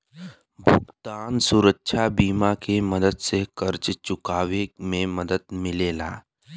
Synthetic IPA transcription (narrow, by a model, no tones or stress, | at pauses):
bʱʊɡt̪aːnsuɾəkːʃʰabiːmakeməd̪əd̪sekəɾt͡ʃt͡ʃʊkaːʋemẽməd̪əd̪mɪlela̰ː